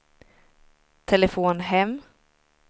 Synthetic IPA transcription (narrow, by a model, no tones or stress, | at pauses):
t̪ʰɛlɛfoːnɦɛmː